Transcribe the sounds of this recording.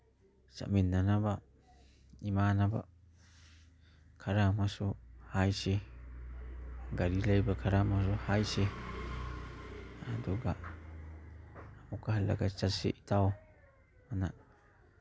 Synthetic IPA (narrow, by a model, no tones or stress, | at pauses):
t͡ʃa̰mĩnãnãβa | imãːnãba̰ | kʰaɾamãsohaise | ɡaɾilaibakʰaɾamãsohaise | and̪uɡaʔ | amukahla̰kat͡ʃasḭʔit̪ao | manã